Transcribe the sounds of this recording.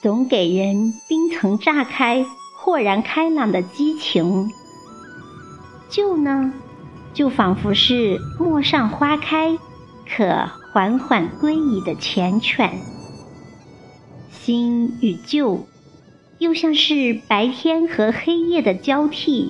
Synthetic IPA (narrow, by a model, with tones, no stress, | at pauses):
t͡sʊ˧˥ŋke˨˩ɪɻə˧˥npi˥ŋt͡sʰɤ˧˥ŋʈ͡ʂa˥˩kʰa˥ɪ | xwɔ˥˩ɻa˧˥nkʰa˥ɪlɑ˨˩ŋd̪ə˦t͡ɕi˥t͡ɕʰi˧˥ŋ | t͡ɕjo˥˩ʊnə˩ | t͡ɕjo˥˩ʊfɑ˨˩ŋfu˧˥ʂɻ̩˥˧mwɔ˥˧ʂɑ˥˩ŋxwa˥kʰa˥ɪ | kʰɤ̰˨˩˦xwa˧˥nxwa˨˩nkwe˥ɪi˨˩d̪ə˦t͡ɕʰjɛ˧˥nt͡ɕʰɥɛ̰˨˩˦n | ɕi˥ny˨˩t͡ɕjo˥˩ʊ | jo˥˧ʊɕjɑ˥˧ŋʂɻ̩˥˩pa˧˥ɪt̪ʰjɛ˥nxɤ˧˥xe˥ɪjɛ˥˩d̪ə˩t͡ɕjɑ˥ʊt̪ʰi˥˩